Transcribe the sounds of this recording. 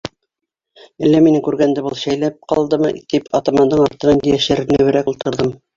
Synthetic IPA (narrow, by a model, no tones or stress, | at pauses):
ælːæminɘŋkʉɾɡænd̪ɘbɤlˠɕæjlæp̚qɑlˠd̪ɤmɤ̰t̪ipʰɑt̪ɑmɑnd̪ɤɴɑɾt̪ɤ̆nɑnd̪ɘ̆jæʃɘɾnɘ̆wɘ̆ɾækulˠt̪ɤ̆ɾðɤm